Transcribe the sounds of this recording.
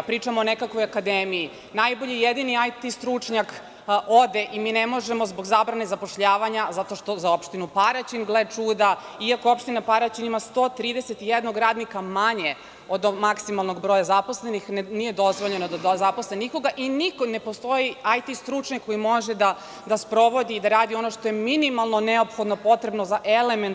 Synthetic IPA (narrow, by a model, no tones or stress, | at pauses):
pɾiːt͡ʂamoonekakʋo̞jakad̪eːmiji | najbo̞ʎijed̪iniajt̪ist̪ɾut͡ʂɲak | o̞d̪eʔimiːnemo̞ʒemozbo̞ɡzabɾane̞zapo̞ʃʎaːʋaɲazat̪o̞ʃt̪o̞zaopʃt̪inupaɾat͡ɕinɡlet͡ʂuːd̪a | iakoopʃt̪inapaɾat͡ɕinimast̪o̞ːt̪ɾiːd̪e̞se̞t̪ijed̪no̞ɡɾaːd̪nikamaɲe | o̞d̪maksimalˠnoɡbɾojazapo̞sle̞nixnnijed̪o̞zʋo̞ʎe̞nod̪azapo̞sleniko̞ɡaʔinikone̞post̪o̞jiajt̪ist̪ɾut͡ʃɲakːojimo̞ʒed̪a | d̪aspɾo̞ʋo̞d̪iːd̪aɾaːd̪io̞noʃt̪o̞jeminimalˠnoneopxod̪nopo̞t̪ɾe̞bnozaʔelement̪